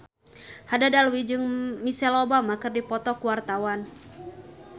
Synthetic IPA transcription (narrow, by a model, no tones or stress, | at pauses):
hadadaluwid͡ʒɨŋmisɛlɔbamakɨrdipɔt̪ɔkuwart̪awan